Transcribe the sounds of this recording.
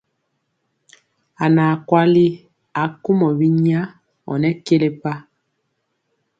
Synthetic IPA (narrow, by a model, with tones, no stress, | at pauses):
a˨na˨kwa˦li˦ | a˨ku˦mɔ˨βi˦ɲ˦a˦ | ɔ̰˨nɛ˦ke˦le˦pa˦